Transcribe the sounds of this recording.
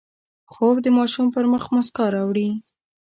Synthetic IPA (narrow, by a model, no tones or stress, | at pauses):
xobd̪əmɑʃumpəɾməxmʊskɑɾɑwɽi